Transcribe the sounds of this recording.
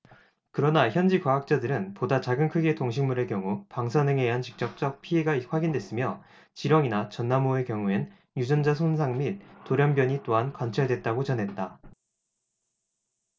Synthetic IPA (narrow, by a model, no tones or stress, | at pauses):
kɯɾʌnaçjʌnd͡ʑikwaak̚t͡ɕ͈adɯɾɯnpodat͡ɕaɡɯnkʰɯɡetoŋɕ̬ʰiŋmuɾe̞kjʌŋupaŋsʰanɯŋeɦant͡ɕi̥k̚t͡ɕ͈ʌk̚t͡ɕ͈ʌk̚pʰie̞ɡaɸwaɡindwe̞s͈ɯmjʌ | t͡ɕiɾʌŋinat͡ɕʌnːamoekjʌŋuen | jud͡ʑʌnd͡ʑasʰonsʰaŋmit̚toɾjʌnbjʌɲit͈oɦankwant͡ɕʰaɭdwe̞t̚t͈aɡot͡ɕʌnɦe̞t̚t͈a